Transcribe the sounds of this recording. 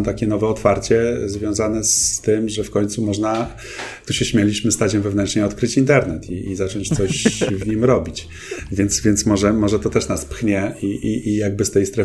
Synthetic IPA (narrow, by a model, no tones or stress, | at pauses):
mt̪akʲɛnɔvɛɔt̪faɾt͡ɕɛzvʲjɔ̃w̃zanɛst̪ɘmʐɛfkɔɲʲt̪sumɔʐna | t̪uɕɛɕmʲjalʲiɕmɘst̪at͡ɕɛwvɛvnɛntʂɲɛɔt̪kɾɘt͡ɕint̪ɛɾnɛt̪ʰiizat͡ʂɔɲt͡ɕt̪sɔɕvɲimɾɔbʲit͡ɕ | vʲjɛnt̪svʲjɛnt̪smɔʐɛmɔʐɛt̪ɔt̪ɛʂnaspxɲɛiʔiijaɡ̚bɘst̪ɛjst̪ɾɛ